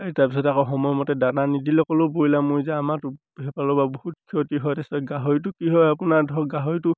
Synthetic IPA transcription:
etaɹpis̬ɔtakɔɦɔmɔjmɔtɛdananidilɔkɔlobojlamojzɛamatu | ɦɛpalɔbabohutkʰitiɦɔjtɛstɔɡaɦɔjt̬ʊkiɦɔjapunaɹdʱɔɡaɦɔjtʊ

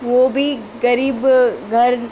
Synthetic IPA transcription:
ʋoːbʱi | ɡɐɾiːbɡʱɐɾ

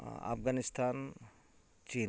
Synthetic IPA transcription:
a̰pɡanist̪ʰaːn | t͡ʃiː

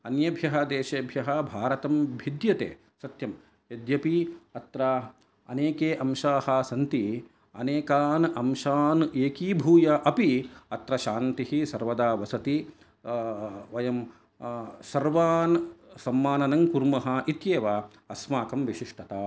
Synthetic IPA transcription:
ɐnjɐbʱjɐɦɐd̪eːʃeːbʱjɐɦɐbʱaːɾɐt̪ɐmbʱid̪jɐt̪ḛː | sɐt̪jɐm | jɐd̪jɐpiɐt̪ɾɐ | ɐ̰neːkeːʔɐmʃaːhɐsɐnt̪i | ɐneːkaːnʔɐmʃaːnʔeːkiːbʱuːjɐʔɐpiɐt̪ɾɐʃaːnt̪ihisɐɾʋɐd̪aːʋɐsɐt̪i | ʋɐjɐm | sɐɾʋaːnsɐmːaːnɐnɐŋkuɾmɐɦɐʔit̪jeːʋaː | ɐsmaːkɐmʋiʃiʂʈʰɐt̪aː

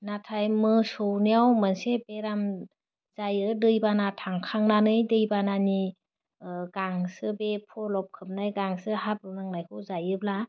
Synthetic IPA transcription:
natʰajmɯsɔwniawmɯnsebeɾam | z̥ajɯdɯjbanatʰaŋkʰaŋnanɯjdɯjbanani | ɡaŋsɯbepʰɔlɔp̚kʰɯp̚najɡaŋsɯhap̚ɾɔnaŋnajkʰɯwzajɯb̚la

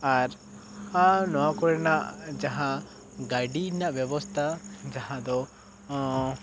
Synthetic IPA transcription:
aɾ | anɔwakɔɾɛnaʔd͡ʒaɦã | ɡaɖinaʔbjɛbɔst̪ʰad͡ʒaɦãd̪ɔ

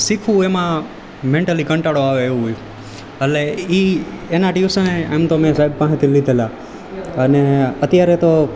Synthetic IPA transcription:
sikʰũemã | mẽɳʈəlikə̃ɳʈaɽoaʋeeʋɦojũ | əleienaʈjusəneemt̪omẽsaib̚pãɦẽt̪ʰilid̪ʱela | əneət̪jaɾet̪o

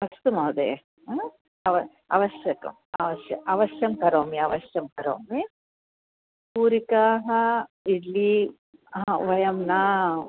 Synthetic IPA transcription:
ɐsʰt̪umɐd̪ḛː | ɐʋɐ | ɐ̰ʋɐʃjɐkɐ̰mɐ̰ʋɐʃjɐ̰ʔɐʋɐʃjɐmkɐɾoːmiɐʋɐʃjɐmkɐɾo̰ːmi | puːɾikaːɦɐiɖli | ɐʋɐjɐmnaː

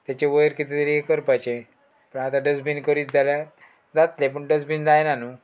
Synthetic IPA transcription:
t̪jat͡ɕeʋəjɾkit̪it̪ɾiekəɾpat͡ɕe | pəɳat̪ãɖəd͡zbinkəɾiːt̪d͡zalja | d͡zat̪lep̬əɳɖəd͡zbind͡zajnanu

